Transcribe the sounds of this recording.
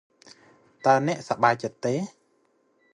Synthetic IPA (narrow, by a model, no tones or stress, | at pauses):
t̪aənɛ̆əʔsaɓaːjt͡ɕət̪ːeː